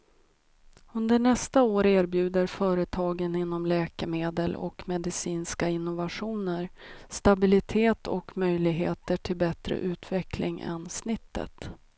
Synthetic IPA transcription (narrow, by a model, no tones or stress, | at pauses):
ɵnd̪əɳɛst̪aoːɾeːɾbjʉ̟ːd̪əɾfœːɾət̪ʰɑːɡənɪnːɔmlɛːkəmeːd̪əlɔ̰kmɛd̪ɪsiːnskaɪn̪ːʊvaɧuːnəɾst̪abɪlɪt̪ʰeːt̪ʰɔ̰kmœjlɪɡɦeːt̪əʈʰɪlbɛt̪ɾə̰ʔʉ̟ːt̪ʰvɛklɪ̰ŋʔɛ̰nsnɪt̪ʰːə̰t̪